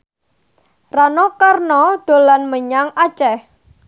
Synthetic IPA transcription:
ranɔkarnɔɖ̥o̤lanməɲaŋḁt͡ʃɛh

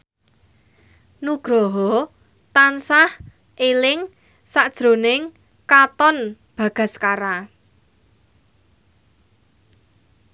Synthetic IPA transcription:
nuɡ̥ɾɔɦɔ | t̪ansah | ʔelɪŋ | saʔd̥ʒ̥ɾo̤nɪŋ | kat̪ɔn | b̥ä̤ɡ̥a̤skaɾa

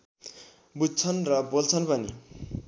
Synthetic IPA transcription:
bud͡zt͡sʰʌnrʌbolt͡sʰʌnbʱʌni

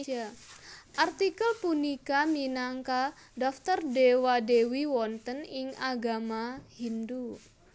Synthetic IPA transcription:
a | ʔart̪ikəlpunikaminaŋkadaft̪ərdewadewiwɔnt̪ənɪŋaɡamahindu

